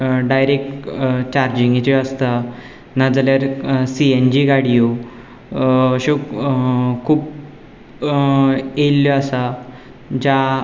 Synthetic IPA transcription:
ɖajɾek̚ʈt͡ɕaɾd͡ʑĩŋɡit͡ɕeəst̪a | nad͡zaljaɾsiend͡ʑiɡaɽijo | əɕo | kʰuːp | elːɔasa | d͡ʑa

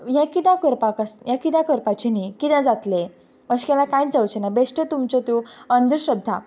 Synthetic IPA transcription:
jãkid̪ãkəɾpakəsjakid̪akəɾpat͡ɕinikid̪ãd͡zat̪le | məɕi̥kalakãjd͡zawt͡ɕenabeʂʈət̪umt͡sɔt̪juənd̪əɾɕəd̪ʱːa

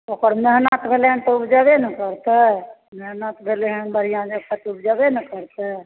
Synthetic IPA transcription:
okəɾmeɦnat̪bʱeleɦənt̪ɔubd͡ʒabenəkəɾt̪ɛmeɦnat̪bʱeleɦənbəɽ̤ijãd͡ʒəpət̪ubd͡ʒabenəkəɾt̪ɛ

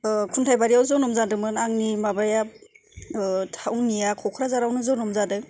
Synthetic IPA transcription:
kʰuntʰajbaɾiawzɔnɔmzadɯmɯnaŋnimabaja | tʰawŋnijakʰɔkʰɾazaɾawnɯzɔnɔmzadɯ

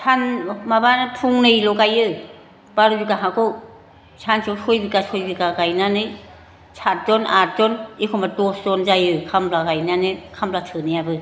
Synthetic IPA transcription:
sʰanmabanpʰuŋnɯjlɔkajɯ | b̥aɾɯbikaɦakʰo | sʰansʰawsʰojbikasʰɔjbikakajnanɯ | sʰat̚dɔnat̚zɔnikʰɔmatɔsdɔnzajɯkʰamblakajnanɯkʰamblatʰɯnɯjabɯ

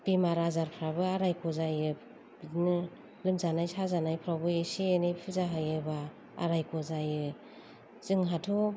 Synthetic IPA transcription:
b̥imaɾazaɾpʰɾabɯaɾajkʰɔzajɯ | nɯ | lɯmzanajsazanajpʰɾawbɯesienɯpʰɯzaɦɯjɯba | a̰ɾajkʰɔzajɯ | z̥ɯŋɦatʰu

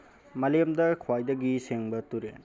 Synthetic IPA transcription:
mɐlejɐmdɐkʰwajdɐɡiseŋbɐtuɾḛn

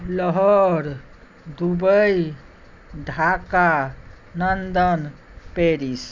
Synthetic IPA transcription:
lɔɦɔɾ | d̪ubəj | d̪ʱaka | nənd̪ən | peɾis

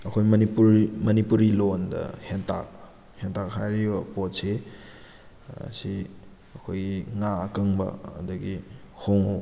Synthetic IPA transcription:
ɐkʰojmɐniuɾmɐnipuɾilondɐ̰hentʰa̰k̚ | hentak̚hajɾibɐpotse | ɐ̰si | ɐkʰojiŋaɐkɐŋbɐ̰ɐ̰dɐɡi | hoŋo

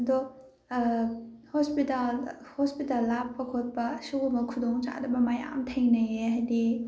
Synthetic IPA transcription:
ɐdɔ | hɔspitalhospitalːapːɐkʰot̚pɐsuɡumɐkʰud̪ɔŋt͡ʃa̰dɐbɐmaja̰mtʰɐjnɐjeɦajdi

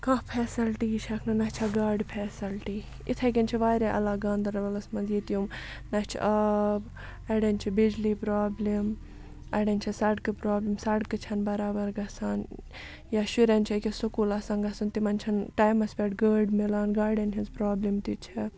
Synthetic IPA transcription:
kãpʰɛːsɐlʈit͡ʃʰɐkʰnɐnɐt͡ʃʰɐɡaːɖpʰɛːsɐlʈiː | it̪ʰɐk̬ʲɐnt͡ʃʰiʋaːɾeʔɐ̰laːɡãːnd̪ɐɾɐlɐlɐsmɐnzit̪jumnɐht͡ʃʰḭʔɐb | ɐɽenʲt͡ʃʰibid͡ʒliːpɾaːblim | ɐɽɐnʲt͡ʃʰɐsɐɖkɨpɾaːblimsɐɖkɨt͡ʃʰɐnbɐɾaːbɐɾɡɐsaːn | jaʃuɾɐnʲt͡ʃʰɐkʲisukuːlɐsaːnɡɐsunt̪imɐnʲt͡ʃʰɐnʈaːjmɐspʲeʈɡəːɖmilaːnɡaːɖɐnɦʰʲinzpɾaːblimt̪it͡ʃʰi

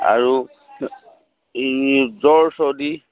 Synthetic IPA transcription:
a̰ɹu | zɔɹsɔdi

